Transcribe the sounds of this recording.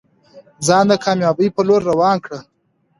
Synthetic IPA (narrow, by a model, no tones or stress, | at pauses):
zɑnd̪əkʰɑmjɑbəjpəloɾːawɑːnkɽə